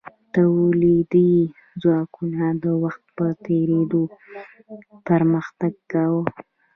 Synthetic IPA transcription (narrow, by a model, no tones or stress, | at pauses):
t̪awlid̪i | zwɑkunad̪əwaxt̪̚pət̪eɾed̪o | pəɾməxt̪aɡkawə